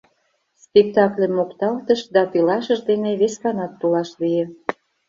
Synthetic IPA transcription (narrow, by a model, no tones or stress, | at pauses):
spʲek̚t̪ɑklʲemːokt̪ɑlt̪əʃd̪ɑt̪ilɑʃə̆ʒd̪eneβeskɑnɑt̪ːulɑʃlijĕ